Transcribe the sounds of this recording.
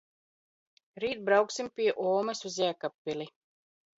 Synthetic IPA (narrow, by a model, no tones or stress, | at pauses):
ɾiːt̪̚bɾawksimpʲiɛʔɔːmɐsuzæːkapːili